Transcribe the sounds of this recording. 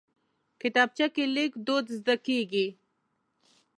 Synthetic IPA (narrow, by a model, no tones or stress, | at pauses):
kɪt̪ɑːb̚t͡ʃakelikd̪od̪zd̪akiɡi